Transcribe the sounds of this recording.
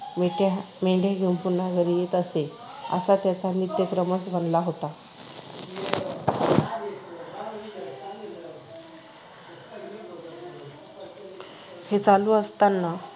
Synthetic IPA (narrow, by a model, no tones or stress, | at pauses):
meʈ | meɳɖjaɡʱiũmpunaɡʱəɾijet̪əse | ə̰sat̪jat͡sanit̪jəkɾəmət͡sbʱənlaɦot̪a | het͡saluːəst̪anːa